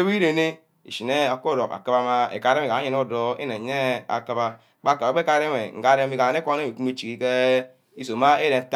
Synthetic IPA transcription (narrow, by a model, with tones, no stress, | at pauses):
e˦i˦ɾe˨ne˦ | ḭ˨ʃi˨ne˦a˨ko˦˨ɾo˨ka̰˨ka˦ba˦ma˦ḛ˨ka˨˦ɾe˦me˨a˨˦ɲe˨˦no˦˨do˦ḛ˦ne˨ɲe˦a̰˨ka˦ba˦ | k͡pa˦˨ka˨a˨˦e˦ka˦e˦me˨ŋ̩˨ɡa˦ɾe˦i˦ka˨ne˦a˦e˦˨i˨ku˦mi˦t͡ʃi˨ki˦ke˦ | i˦so˨ma˦e˦ɾe˨n̩˦t